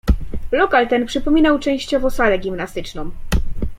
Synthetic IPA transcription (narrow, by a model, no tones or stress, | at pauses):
lɔkalt̪ɛnpʂɘpɔmʲinawt͡ʂɛ̃w̃ɕt͡ɕɔvɔ̃salɛɡʲimnast̪ɘt͡ʂnɔ̃m